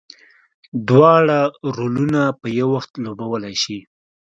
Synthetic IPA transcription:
d̪wɑɽaɾolunapəjawaxt̪lobawəlajʃi

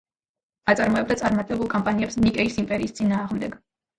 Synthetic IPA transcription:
at̪sʼaɾmɔɛb̚d̪at̪sʼaɾmat̪ʼɛbulˠkʼɔmpʼaniɛpsnikʼɛisimpʼɛɾiːst̪sʼinaːʁmd̪ɛɡ̥

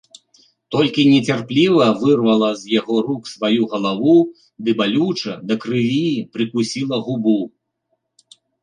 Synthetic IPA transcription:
t̪ɔlʲkʲinʲɛt͡sʲarplʲivɐvɨrvɐlˠɐzjaɣɔɾuksvajuɣɐlˠavu | d̪ɨbalʲut͡ʂɐd̪ɐkɾɨvʲipɾɨkusʲilˠɐɣubu

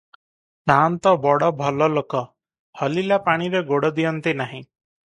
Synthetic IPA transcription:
nant̪ɔbɔɽɔbʱɔlɔlokɔ | hɔlilapaɽ̃iɾeɡoɽɔd̪ijɔnt̪inaɦĩ

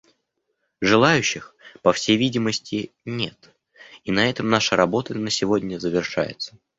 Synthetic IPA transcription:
ʐɨlˠajʉɕːɪxpəfsʲejvʲidʲɪməsʲtʲɪnʲe̞t̪ | inɐɛt̪əmnaʂəɾɐbo̞t̪ənəsʲɪvo̞dʲnʲəzəvʲɪrʂa̰jɪ̰t̪sə̥

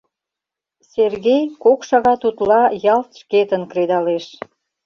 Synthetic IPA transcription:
serɣejkokʃɑɣɑt̪ut̪lɑjɑlt̪ʃket̪ənkɾed̪ɑleʃ

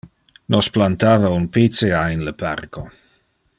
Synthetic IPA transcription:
nosplant̪avaunpit͡seaenləpa̰rko

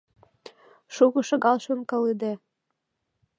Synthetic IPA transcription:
ʃuɣɤ̆ʃɤ̆ɣɑlˠʃonkɤ̆lid̪e

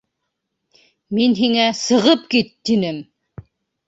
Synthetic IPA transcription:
minɦiŋæsɤ̆ʁɤp̚kit̪ːinɘm

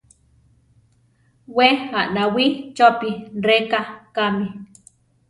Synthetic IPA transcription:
weaʔnawit͡ʃopirekakami

